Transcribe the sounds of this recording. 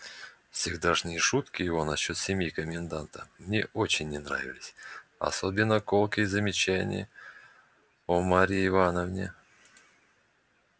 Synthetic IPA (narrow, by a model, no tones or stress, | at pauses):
fsʲɪɡd̪aʐnʲɪʂut̪kʲɪjɪvo̞nɐɕːo̞t̪sʲɪmʲjikəmʲɪnd̪ant̪əmnʲḛʔot͡ɕɪnʲːɪnra̰vʲɪlʲɪsʲɐ̰sobʲɪnːəkolˠkəzəmʲɪt͡ɕænʲɪ̰ə | omaɾʲɪːvanəvnʲɪ̰